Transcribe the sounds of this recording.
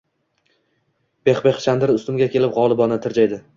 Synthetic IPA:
b̥e̞χbe̞χʃand̪ɪɾɪʊst̪ʊmɡʲakʲʰe̞lɪpʁɒlˠɪbɒnat̪ʰɪɾd͡ʒajd̪ɪ

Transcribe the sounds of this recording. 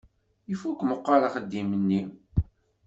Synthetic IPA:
ifukːməqːɑɾaχəd̪ːimənːi

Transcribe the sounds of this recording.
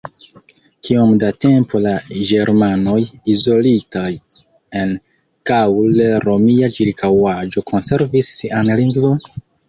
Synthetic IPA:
kiomdate̞mpʰo̞laɡe̞ɾmano̞jizo̞litaj | e̞n | kawleɾo̞miat͡ʃiɾkʰawad͡ʒo̞kʰo̞nse̞ɾvisːiʔanliŋɡvo̞n

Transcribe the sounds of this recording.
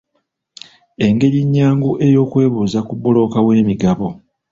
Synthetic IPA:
e̞ŋɡe̞ɾiɲːaːŋɡuʔe̞jo̞ːkwe̞ːβuːzakubolo̞ːkawe̞ːmiɡaβo

